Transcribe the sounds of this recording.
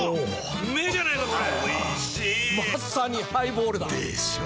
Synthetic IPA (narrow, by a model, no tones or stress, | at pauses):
o | med͡ʑanajkama | masaɲ̟ihaiboːɾɯd̪a